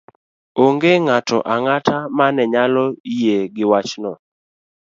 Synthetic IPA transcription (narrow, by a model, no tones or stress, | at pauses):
oŋɡeŋatɔ̰ʔaŋatamanɛɲalɔijeɡɪwat͡ʃnɔ